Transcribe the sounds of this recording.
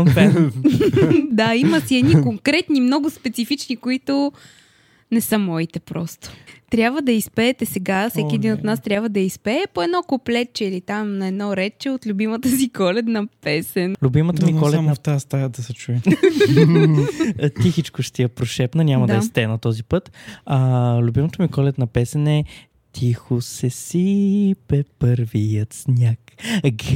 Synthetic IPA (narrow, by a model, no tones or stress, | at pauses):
pɛ | d̪aimɐsiɛd̪nikoŋkɾɛt̪nimnɔɡʊspɛt̪sifit͡ʃnikoit̪ʊ | nɛsəmɔit̪ɛpɾɔst̪ʊ̥t̪ɾʲjabvəd̪ɐispɛːt̪ɛsɛɡafsɛkʲiɛd̪inot̪nast̪ɾʲabvəd̪ɐispɛːpoɛd̪nɔkoplɛt͡ʃɛilit̪amnɐɛd̪nɔɾɛt͡ʃɛot̪lʲʊbimət̪əsikɔlɛt̪nɐpɛsɛnlʲʊbimət̪əmikɔlɛnɐft̪ast̪ad̪ɐsɛt͡ʃuɛ | t̪ixit͡ʃkʊʃt̪iɛpɾoʃɛpnənʲamɐd̪ɛst̪ɛnɐt̪ɔzipɤt̪ɐlʲubimət̪əmikɔlɛt̪nɐpɛsɛnɛ | t̪ʰixʊsɛsipɛpəɾvijət̪snʲakɡ